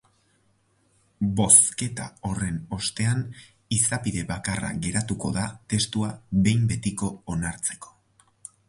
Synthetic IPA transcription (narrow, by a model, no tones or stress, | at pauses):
bo̞ske̞t̪a̰o̞re̞no̞st̪e̞an | isapiðe̞βakara̰ɣe̞ɾat̪uko̞̰ðat̪e̞st̪uaβe̞jmbe̞t̪iko̞ːnaɾt͡se̞ko̥